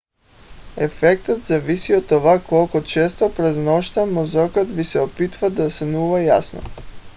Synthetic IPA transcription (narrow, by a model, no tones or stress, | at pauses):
ɛfɛk̚t̪ət̪zavisiot̪ːovakɔlˠkot͡ʃɛst̪opɾɛznɔʃt̪amozɔkət̪visɛopit̪vad̪asanuvajasno̰